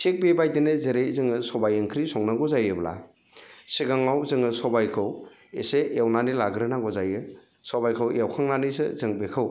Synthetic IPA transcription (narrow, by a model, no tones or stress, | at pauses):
sek̚bebajdenɯzeɾejzɯŋɯsɔbajɯŋkʰɾisɔŋnaɡɔzajɯbla̰ | siɡaŋawzɯŋɯsɔbajkʰɯw | eseewnanilaɡɾɯnaŋɡɔzajɯ | sɔbajkʰɯwewkʰaŋnanisɯ̰zɯŋbekʰɯw